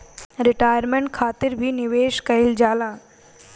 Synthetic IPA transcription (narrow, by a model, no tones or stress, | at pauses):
ɾiʈajəɾmeɳʈ̚kʰat̪iɾbʱiːniʋeɕkəild͡ʑala